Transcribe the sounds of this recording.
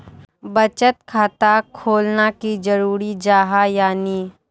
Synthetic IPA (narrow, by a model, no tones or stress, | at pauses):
bɐt͡ʃət̪kʰaːt̪akʰoːlnakid͡ʒɐɾuːɾid͡ʒaːɦajaːniː